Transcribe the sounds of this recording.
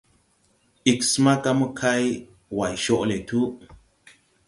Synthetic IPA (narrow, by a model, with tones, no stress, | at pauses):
ʔi˨ksma˦ka˦mu˦kʰa˦j | wa˨jʃo˦ʔle˨t̪ʰu˦ʔ